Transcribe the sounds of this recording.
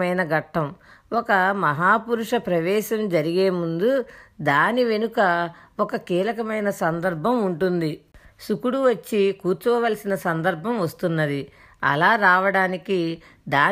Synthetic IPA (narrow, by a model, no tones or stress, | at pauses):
ɐjnɐɡɐʈʰːɐmɔkɐmɐɦaːpuɾuʂɐpɾɐʋɛːʃɐmd͡ʒɐɾiɡeːmund̪ud̪aːniʋe̞nukɐɔkɐkiːlɐkɐmɐjnɐsɐnd̪ɐɾbʱɐmuɳʈund̪isukuɽuʋɐt͡ʃːikuːɾt͡ʃuɐʋɐlɐsinɐsɐnd̪ɐɾbʱɐmʋɐst̪unːɐd̪i | ɐ̰laːɾaːʋɐɽaːniki | d̪aː